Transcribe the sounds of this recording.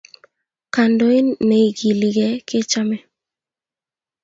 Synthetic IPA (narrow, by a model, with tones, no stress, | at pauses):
ka˨ndo˦i˦nːe˨i˨ɡi˨li˨ɡɛ˨˦ke˦t͡ʃa˦mɛ˦